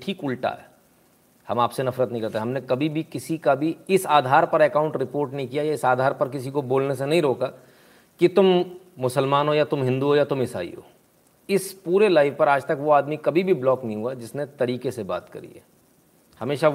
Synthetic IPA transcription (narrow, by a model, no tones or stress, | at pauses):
ʈʰiːkʊlʈa̰ɦɛ̰ː | hɐ̰maːpsenɐfɾət̪nəɦĩkɐɾt̪eɛ̃ːɦɐmnekɐbʱibʱikɪsikabʱiɪsaːd̪ʱaːɾpɐɾɛːkãːʊ̃ɳʈɾɪpoːɾʈnɐɦĩkijajaɪsaːd̪ʱaːɾpɐɾk̬ɪsikoboːlnesenɐɦĩɾoːka | kit̪ʊmː | ʊsəlmaːnɦojat̪ʊmɦɪ̃nd̪uɦojat̪ʊmɪsa̰ːḭɦo̰ː | ɪspuːɾelaːɪʋpɐɾaːd͡ʒt̪ɐkʋoaːd̪mikɐbʱibʱiblɔːknɐɦĩɦuad͡ʒɪsnet̪ɐɾiːkeseba̰ːt̪kɐ̰ɾḭɦɛ̰ː | hɐmeːʃa